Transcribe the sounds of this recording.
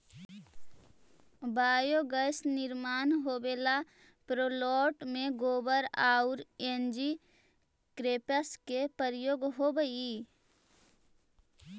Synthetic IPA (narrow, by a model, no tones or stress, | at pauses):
baːjoɡəsnɪɾmaːnɦobeːla | pɾoːlɔːʈmẽɡoːbəɾaːʊɾend͡ʒi | kɾeːpəskepəɾjoːɡɦobəi